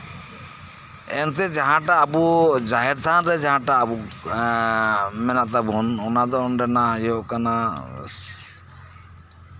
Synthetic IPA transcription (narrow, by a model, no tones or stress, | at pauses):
ɛnt̪ɛd͡ʒaɦãʈaːbud͡ʒaɦɛɾt̪ʰanɾɛd͡ʒaɦãʈaːbu | mɛnaʔt̪abɔnɔnad̪ɔɔnɖɛnajɔʔkana